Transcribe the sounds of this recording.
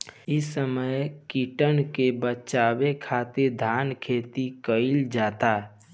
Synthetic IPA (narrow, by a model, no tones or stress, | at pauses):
ɪsːəməjkiʈənkebət͡ʃaːwekʰaːt̪ed̪ʱaːnkʰeːt̪ikəɪld͡ʒaːt̪a